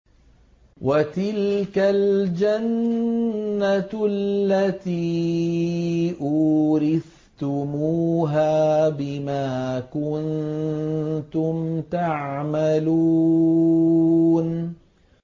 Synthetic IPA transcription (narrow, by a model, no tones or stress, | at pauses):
wʔat̪ɪlkald͡ʒanː | alːat̪iː | ʔʊɾɪθ | t̪ʊmuːɦaːbɪmaːkʊn | t̪ʊmt̪aʕmalu | n